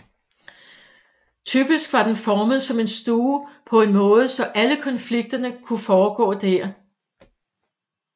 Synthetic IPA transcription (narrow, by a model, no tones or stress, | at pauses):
t͡sʰyb̥isɡ̥ʋɑ̈d̥enfɒːməð̩ˠsɒ̽me̝nsd̥uːpʰɒ̽e̝nmɔ̽ːð̞̩ˠəsɒ̽ʔæləkʰɒ̽nfliɡ̥̚d̥ɐnəkʰufɒːɡ̥ɔ̰̽ːd̥æɐ̰